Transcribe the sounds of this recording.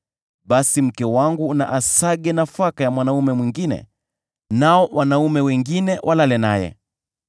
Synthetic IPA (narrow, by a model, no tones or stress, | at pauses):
ɓasim̩kɛwaŋɡuːna̰ʔasaɠɛnafakajamwanaumɛmwiŋɡinɛ̰ | naɔwʔanaumɛwɛŋɡinɛwʔalalɛna̰jɛ̰